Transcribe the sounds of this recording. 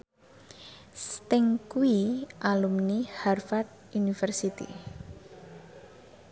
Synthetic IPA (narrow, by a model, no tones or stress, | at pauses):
st̪ɪŋkuwiʔalumniharfat̪̚unifɛrsit̪ḭ